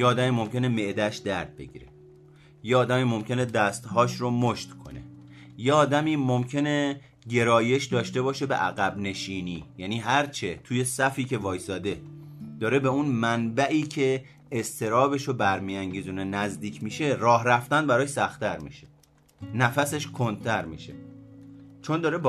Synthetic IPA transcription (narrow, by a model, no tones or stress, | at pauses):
jeɒːd̪æmiːmo̞mcʰe̞ne̞me̞ʔd̪æʃd̪æ̰ɾd̪̥̚be̞̰ɟḭːɾḛ | jeɒːd̪æmiːmo̞mcʲʰe̞ne̞d̪æst̪hɒːʃɾomoʃt̪kʰo̞̰nḛ | jeɒːd̪æmiːmo̞mcʰe̞ne̞ | ɟe̞ɾɒːje̞ʃd̪ɒːʃt̪e̞bɒːʃe̞be̞̰ʔæɣæbne̞ʃiːniːjæniːɦæɾt͡ʃʰe̞t̪ʰuːje̞sæfiːcʰe̞vɒːjsɒːd̪e̞d̪̥ɒːɾe̞beunmænbæʔiːcʰe̞ː | st̪ʰe̞ɾɒːbe̞ʃobæɾmijæŋɟiːzuːnenæzd̪iːcʰmiːʃe̞rɒːɦɾæft̪ænbæɾɒːjsæxt̪æɾmḭʃe̥ | næfæse̞ʃkʰo̞nd̪̚t̪ʰæɾmḭːʃḛ | t͡ʃʰo̞nd̪ɒːɾeb